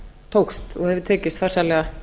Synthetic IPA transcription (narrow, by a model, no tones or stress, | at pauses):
t̪ʰowkst̪ɔhɛvʏt̪ʰɛːcɪst̪far̥salɛɣa